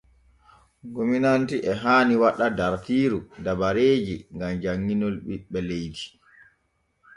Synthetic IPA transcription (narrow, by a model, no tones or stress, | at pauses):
ɡominantiʔɛɦaːniwaɗadaɾtiːɾudabaɾeːd͡ʒiŋɡamd͡ʒaŋːinɔlɓiɓɛlejd͡ʒi